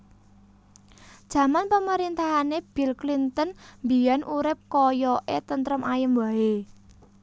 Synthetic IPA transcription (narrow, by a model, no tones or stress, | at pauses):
d̥ʒ̥a̤manpəməɾint̪aɦaneb̥i̤lklint̪ənmbijanʔuɾɪp̚kɔjɔʔet̪ənt̪ɾɔmajəmwae